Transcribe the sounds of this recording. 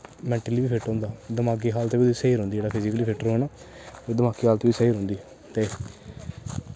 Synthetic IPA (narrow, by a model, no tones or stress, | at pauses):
mɛ̃ːɳʈəliːʋiːpʰɪʈɾɦõːnd̪aːd̪əmaːk̬iːɦaːlt̪eːʋiseiːɾɦõːnd̪id͡ʒeːaːpʰɪzɪkəliːpʰɪʈəɾoːɛːnaː | id̪əmaːkiːɦaːlt̪eːʋiːsəiːɾɦõːnd̪iː | t̪eː